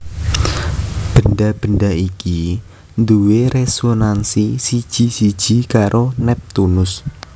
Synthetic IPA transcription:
b̥ə̤nɖab̥ənɖaiki | nd̪uweɾesonansisid̥ʒ̥isid̥ʒ̥i̤kaɾʔonɛp̚t̪unʊs

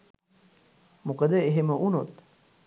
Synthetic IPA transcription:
mukəd̪əeɦeməʔunot̪

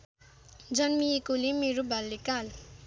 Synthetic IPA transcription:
d͡zʌnmiekulemeɾobʱalːekal

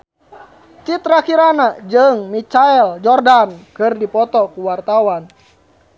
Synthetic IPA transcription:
t͡ʃit̪ɾakiɾanad͡ʒɨŋmit͡ʃaɛld͡ʒɔrdankɨrdipɔt̪ɔkuwart̪awan

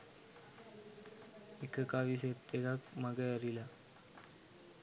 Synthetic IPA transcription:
ekʰəkaʋis̬ett̪eɡakməɡəəɾila

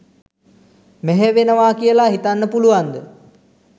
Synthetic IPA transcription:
mɛɦɛʋenəʋaːkijəlaɦit̪anːəpuluʋand̪ə

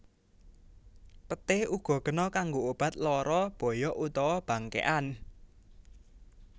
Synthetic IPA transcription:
pət̪ɪhuɡ̥ɔ̤ɡ̥ə̤nɔkaŋɡoob̥a̤t̪̚lɔɾɔb̥ɔ̤jɔʔut̪ɔwɔb̥ä̤ŋkḛʔan

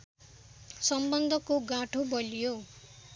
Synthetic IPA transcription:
sʌmbʌnd̪ʱʌkoɡãʈʰobʌlijo

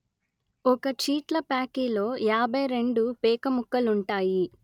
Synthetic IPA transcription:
ɔkɐt͡ʃiːʈlɐpaːkiːlo̞ːjaːbʱɐjɾe̞ɳɖupɛːkɐmukːɐluɳʈaːji

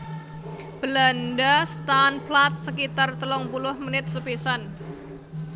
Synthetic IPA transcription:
b̥əlandast̪anplat̪̚səkit̪art̪əlɔŋpulʊhmənɪt̪̚səpisan

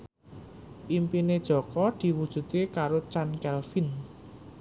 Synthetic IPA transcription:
ʔimpined̥ʒ̥ɔ̤kɔd̪̥i̤wud̥ʒ̥ṳt̪ekaɾot͡ʃankɛlfin

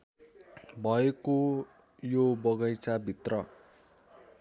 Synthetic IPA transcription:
bʱʌeko | jobʌɡʌjt͡sabʱit̪rʌ

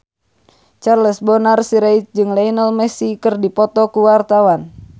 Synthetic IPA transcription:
t͡ʃarlɛsbɔnarsiɾait͡ʃ̚d͡ʒɨŋlainəlmɛsikɨrdipɔt̪ɔkuwart̪awan

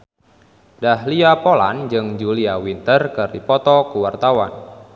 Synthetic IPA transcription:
dahliapola̰nd͡ʒɨŋd͡ʒuliawint̪ərkɨrdipɔt̪ɔkuwart̪awa̰n

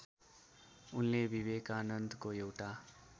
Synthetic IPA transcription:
unlebibekaːnʌnd̪ʱkoewʈa

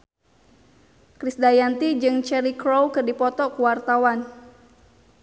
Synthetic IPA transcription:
kɾisdajant̪id͡ʒɨŋt͡ʃɛɾikɾowkɨrdipɔt̪ɔkuwart̪awan

